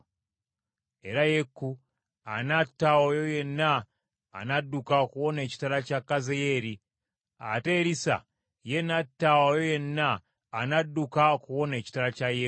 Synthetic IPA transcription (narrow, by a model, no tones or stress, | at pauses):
e̞ɾaje̞kːu | anatːawojo̞je̞nːa̰ː | nadːukaokuwo̞ne̞ːci̥taɾacakːazeje̞ɾi | a̰te̞ɾisa̰ | jenatːawojoje̞nːaː | nadukaokuwo̞ne̞ːci̥taɾacaje